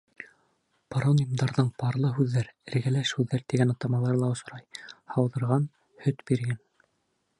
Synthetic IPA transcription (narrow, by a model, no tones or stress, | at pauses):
pɾonʲimd̪ɑɾðɤɴbɑɾlˠɤɦʉðːæɾɘ̆ɾɡælæʃhʉðːæɾt̪iɡænɑt̪ɑmɑlˠɑɾɤlˠɑŏʃŏɾɑjhɑwðɤ̆ɾʁɑn | hɵt̪biɾɡæn